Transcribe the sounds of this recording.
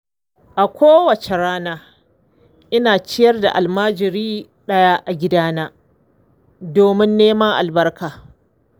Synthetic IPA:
ʔa˨kʷʰoː˦wɐ˨t͡ʃe˨ɽaː˦naː˦ | ʔɪ˦naː˨t͡ʃɪ˦jɐ˦rda̰˨ʔa˨lmaː˦d͡ʒɪ˨ɾiː˦ | ɗɐ˦jaː˦ʔa˨ɡʲɪ˦daː˦naː˦ | doː˨mɪ˦nːeː˦ma˦ŋʔa̰˨lbɐ˦rkʰaː˨

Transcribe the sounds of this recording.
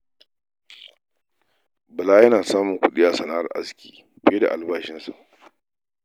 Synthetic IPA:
bɐ˨laː˦jɐ˦naː˨saː˦mʊ˨ŋkʷʊ˦ɗɪ˦jaː˦sɐ˨na˦˨ʔa̰˦skʲi̥ː˨ | bɪ˦je˦da̰˨ʔa˨lbaː˨ʃɪ˦nsa̰˨ʔ

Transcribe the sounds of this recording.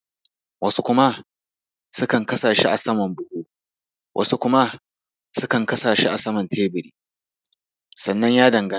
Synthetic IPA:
wɐ˦su˦kʷʊ˦ma˦ | sʊ˦kɐ˨ŋkɐ˦saː˨ʃi˦ʔa̰˨sɐ˦mɐ˨mbʊ˦huː˦ | wʔɐ̰˦su˦kʷʊ˦ma˦ | sʊ˦kɐ˨ŋkɐ˦saː˨ʃi˦ʔa˨sɐ˦mɐ˨ntʰeː˦bɪ˨ɾiː˦ | sɐ˨nːɐ˦ɲjaː˦dɐ˨ŋɡɐ˦

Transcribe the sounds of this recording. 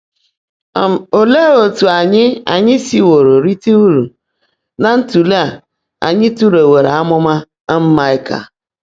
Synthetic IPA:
o˨le˦o˨tu˨a˨ɲɪ˦a̰˨ɲɪ˦si˨wo˨ɾo˨ɾi˦ti˦u˦ɾu˨ | na˨n̩˦tu˨le˦a˨ | a̰˨ɲɪ˦tu˦ɾe˨we˨ɾe˨a˦mʊ˦ma˦ | m̩˦ma˦ɪ˦ka̰˨

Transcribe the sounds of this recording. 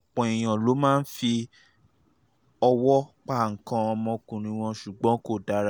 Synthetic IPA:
k͡pɔ̃˨i˨j̃ã˨lo˨˦mãː˦n̩˦fi˧ | ɔ˧wɔ˦k͡pa˦˨ŋ̩˨kã˧ɔ˧mɔ̃˧kũ˨ɾ̃ĩ˧w̃ɔ̃˧ʃu˨ɡ͡bɔ̃˨˦ko˦˨da˨˦ɾa˧˦

